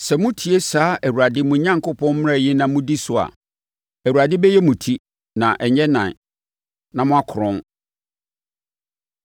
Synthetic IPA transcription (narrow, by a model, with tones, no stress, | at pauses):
sɛ˨mʊ̃˦tʰi˨e˦saː˨˦ʔæ˨wu˨ɾa˨dɪ˦mũ˦˨˦ɲã˦ŋkʰʊ˦pʰɔ̃˦nm˦ɾa˦˨jɪ˦nã˨mũ˦di˦sʊ˨a̰˨ | æ˨wu˨ɾa˨dɪ˦bɛ˦jɛ˦mũ˨tʰi˦ | nã˨ʔɛ˨ɲɛ˦nã˨ | nã˨mʊ̃˦a˦kʰʊ˨ɾʊ̃˦n